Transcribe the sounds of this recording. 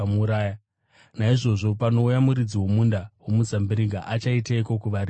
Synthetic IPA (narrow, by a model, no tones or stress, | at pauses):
muɾaːja | naiʐo̞ʐo̞pano̞ujamuɾid͡ziwo̞mundawomut͡sambiɾiɡaʔat͡ʃaitaikokuʋaɾi